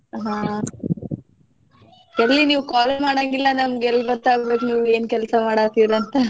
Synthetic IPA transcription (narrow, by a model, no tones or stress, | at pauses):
ɦãː | ɛlːiniːʋkaːlɐmaːɽaɡilːɐnɐmɡɛlːbɐt̪ːaːɡbeːkniːʋue̞ːnkɛlsɐmaːɽaːt̪iɾɐnt̪ɐ